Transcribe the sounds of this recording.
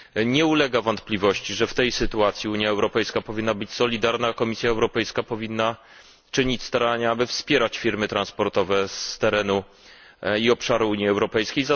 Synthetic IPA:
ɲɛulɛɡavɔnt̪plʲivɔɕt͡ɕiʐɛft̪ɛjsɘt̪uat̪sʲjiuɲjaɛwɾɔpɛjskapɔvʲinːabɘt͡ɕsɔlʲid̪aɾnaːkɔmʲisʲjaɛwɾɔpɛjskapɔvʲinːa | t͡ʂɘɲit͡ɕst̪aɾaɲaabɘfspʲjɛɾat͡ɕfʲiɾmɘt̪ɾãnspɔɾt̪ɔvɛst̪ɛɾɛnu | iɔpʂaɾuuɲiɛwɾɔpɛjskʲejza

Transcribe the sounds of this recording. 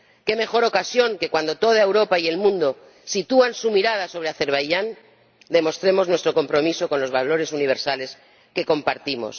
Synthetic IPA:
ke̞me̞xo̞ɾo̞kasjo̞ŋke̞kwand̪o̞t̪o̞ð̞aewɾo̞paie̞lmũnd̪o | sit̪uansumiɾað̞aso̞βɾeaθe̞ɾβajʝan | d̪e̞mo̞st̪ɾe̞mo̞znwe̞st̪ɾo̞ko̞mpɾo̞miso̞ko̞nlo̞zβalo̞ɾe̞suniβ̞e̞ɾsale̞s | keko̞mpaɾt̪imo̞̰s

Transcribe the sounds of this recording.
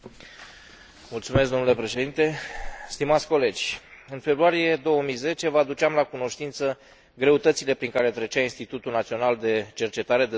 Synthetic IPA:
mult̪sumeskd̪o̞mnule̞pɾe̞ʃe̞d̪int̪e̞st̪imat̪sʲko̞le̞d͡ʒʲɨnfe̞bɾuaɾije̞d̪o̞wəmijze̞t͡ʃe̞vəad̪ut͡ʃɪamlakuno̞ʃt̪int̪sə | ɡɾe̞ut̪ət̪sile̞pɾiŋkaɾe̞t̪ɾet͡ʃainst̪it̪ut̪ulnat̪sio̞nald̪e̞t͡ʃe̞rt͡ʃe̞t̪aɾe̞d̪e

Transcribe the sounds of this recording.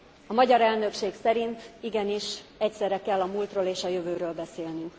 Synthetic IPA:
ɒmɒɟɒɾɛlnø̞kʃeːksɛɾint̪iɡɛniʃɛcsɛrɛkɛlːɒmult̪roːleːʃɒjøvøːɾøːlbɛseːlny

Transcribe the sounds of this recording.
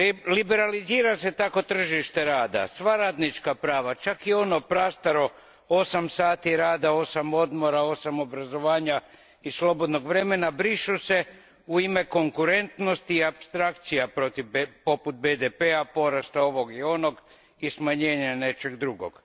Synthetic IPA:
libe̞ɾaliziːɾase̞t̪ako̞t̪r̩ʒiʃt̪e̞ɾaːd̪a̰sʋaɾaːd̪nit͡ʃkapɾaːʋat͡ʃakio̞no̞pɾast̪aɾo̞ | o̞samsaːt̪iɾaːd̪ao̞samo̞d̪mo̞ɾao̞samo̞bɾazo̞ʋaːɲa | islˠo̞bo̞d̪no̞ɡʋɾe̞me̞nabɾiʃuse̞ | uime̞ko̞ŋkuɾe̞nt̪no̞st̪iːapst̪ɾakt̪sijapɾot̪ipo̞put̪̚bed̪epeapo̞ɾast̪ao̞ʋo̞ɡio̞no̞ɡ | ismaɲe̞ːɲane̞t͡ʃe̞ɡd̪ɾuɡo̰ɡ̥

